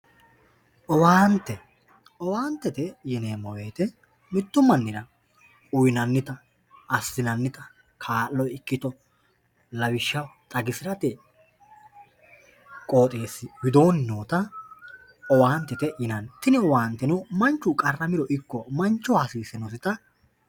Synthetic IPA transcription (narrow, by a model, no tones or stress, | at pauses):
ʔɔwaːnt̪ːɛ | ʔɔwaːnt̪ːɛt̪ɛjɪneːmɔweːt̪ɛ | mɪt̪ːʊmːɐnːɪɾɐ | ʊjnɐnːɪt̪ɐ | ʔɐsːɪnɐnːɪt̪ɐ | kʰaːlːɔjɪkːɪt̪ɔ | lɐwɪʃːɐwt̪ʼɐɡɪsɪɾɐt̪ɛ | kʼo̞ːt̪ʼeːsːɪwɪd̪o̞ːnːoːt̪ɐ | ʔɔwaːnt̪ːɛt̪ɛjɪnɐnt̪ɪnɛɔwaːnt̪ːɛnʊmɐnt͡ʃːʊkʼɐrːɐmɪɾɔʔɪkːɔmɐnt͡ʃːɔhɐsiːsɛnɔs̬ɪt̪ɐ